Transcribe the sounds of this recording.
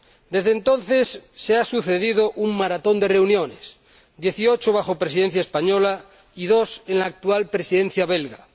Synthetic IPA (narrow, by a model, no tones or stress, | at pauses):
d̪e̞zðent̪o̞nθe̞sːeasuθe̞ðiðoʔuŋmaɾat̪o̞nd̪ere̞unjones | d̪je̞θiot͡ʃoβ̞axo̞pɾesiðen̟θ̬jaespaɲola | ið̞osenlaːk̚t̪ualpɾesiðẽn̟θjaβelɣa